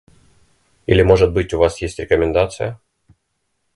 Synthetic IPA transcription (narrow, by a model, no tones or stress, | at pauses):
ḭlʲɪmo̞ʐɨt̪̚bɨtʲʊvasjesʲtʲɾʲɪkəmʲɪnd̪at̪sɨjə